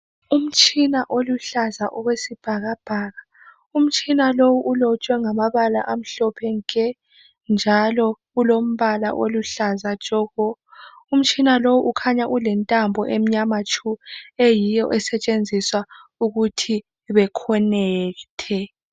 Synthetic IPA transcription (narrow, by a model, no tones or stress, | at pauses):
um̩t͡ʃʼinaʔoluɬazaʔɔɣwesib̥ʱaɣab̥ʱaːɣa | um̩t͡ʃʼʰinalowuʔulɔt͡ʃʼwɛŋamaβala̰ʔam̩ɬɔpʰɛŋkʼɛ | nd͡ʒʱalɔɣulom̩βala̰ʔoluɬazḁt͡ʃʼɔɣɔ | um̩t͡ʃʼinalowuʔukʰaɲaʔulɛntʼambʱɔʔem̩ɲamat͡ʃʰʼuejijɔʔɛsɛt͡ʃʼend͡zʱiswauɣutʰi | βɛkʰɔnɛːtʰɛ